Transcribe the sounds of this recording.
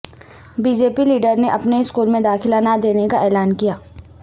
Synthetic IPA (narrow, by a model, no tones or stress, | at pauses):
biːd͡ʒeːpiliːɖəɾneʔɐpneɪskuːlmẽd̪aːkʰɪlaːnad̪eːnekaʔɛːlaːnkijaː